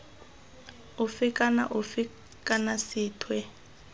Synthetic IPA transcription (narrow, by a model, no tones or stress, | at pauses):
ufikʼana̰ʔufi | kʼanasiːtʰwɛ